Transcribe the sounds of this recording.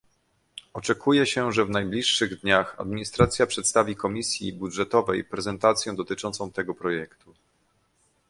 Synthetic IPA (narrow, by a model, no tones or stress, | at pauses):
ɔt͡ʂɛkʰujɛɕɛʐɛvnajblʲiʂːɘɣd̪ɲaxa̰d̪mʲiɲist̪ɾat̪sʲjapʂɛt̪st̪avʲikɔmʲisʲjḭbudʐɛt̪ɔvɛjpɾɛzɛnt̪at̪sʲjɛd̪ɔt̪ɘt͡ʂɔnt̪sɔ̃w̃t̪ɛɡɔpɾɔjɛkt̪u